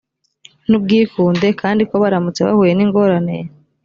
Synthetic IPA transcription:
nub̚ɡiːkuːnde̞kʰaːndiko̞βaɾamut͡se̞βa̰huːje̞niːŋɡo̞ːɾane̞̰je

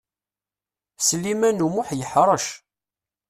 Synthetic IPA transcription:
səlːimænumʊħjəħɾˤɑʃ

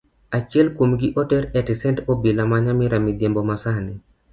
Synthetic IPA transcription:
at͡ʃɪɛlkomɡɪʔɔtɛɾɛtɪsɛntobilamaɲamɪɾamɪd̪jembɔmasanɪ

